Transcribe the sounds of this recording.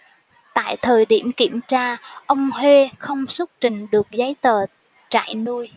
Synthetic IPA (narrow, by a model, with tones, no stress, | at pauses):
t̪a̰ː˧˨jt̪ʰəː˨˩jɗi˧˩əmki˧˩əmt͡ɕaː˧ʔə˧wŋ͡mhwe˧xə˧wŋ͡msə˦˥t̚t͡ɕï˨˩ŋ̟ɗɨ˨˩ək̚zə˨˦jt̪əː˨˩ | t͡ɕa̰ː˧˨jnu˧əj